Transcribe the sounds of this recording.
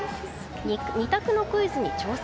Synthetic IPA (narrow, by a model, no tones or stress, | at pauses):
ɲʲit̪akɯ̟no̞kɯizɨɲ̟it͡ɕo̞ːs